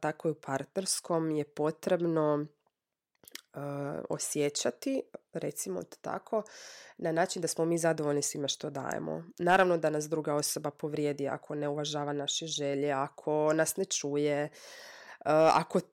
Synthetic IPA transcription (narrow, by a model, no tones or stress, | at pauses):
t̪akoiupʰaɾt̪ne̞ɾsko̞mje̞po̞t̪ɾe̞bno̞ | əo̰sjet͡ɕat̪iɾet̪simo̰̥t̪a̰kʰo̞nanaːt͡ʃind̪asmomiːzad̪oʋo̞ʎnisʋimeʃt̪o̞d̪a̰ːjḛmo̰naːɾaʋno̞d̪anasd̪ɾuɡao̞so̞bapo̞ʋɾjeːd̪ia̰kʰo̞neuʋaʒaːʋanaʃeʒe̞ʎeakʰo̞nasnet͡ʃuːje | a̰ko̞